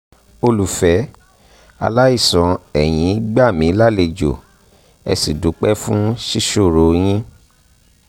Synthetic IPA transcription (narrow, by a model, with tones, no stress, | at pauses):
o˧lu˨fɛ˨˦ | a̰˧la˦i˦˨sɔ̃˨ɛ˨j̃ĩ˨˦ɡ͡ba˦˨mĩ˨˦la˦le˧d͡ʒo̰˨ | ɛ̰˧si˨du˨˦k͡pɛ˦fũ˦ʃi˦ʃo˦˨ɾo˨j̃ĩ˦